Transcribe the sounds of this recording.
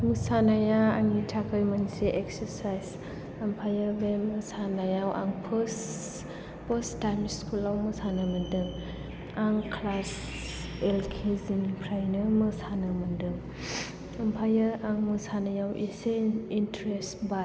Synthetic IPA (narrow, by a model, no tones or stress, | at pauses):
mɯsanajaaŋitʰakʰɯjmanseʔeksəɾsajz | əmpʰajabemɯsanajawʔa̰ŋpʰs | pəstamiskʰulawmɯsanɯmɯndɯŋ | aŋkʰlas | elkʰezinpʰɾajnɯmɯsanɯmɯndɯŋ | ɐmpʰajaaŋmɯsanajawʔeseintɾesba